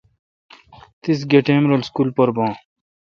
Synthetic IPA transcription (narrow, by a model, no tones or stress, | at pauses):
t̪is̬ɡeʈẽːmɾolskuːlpɐɾbãː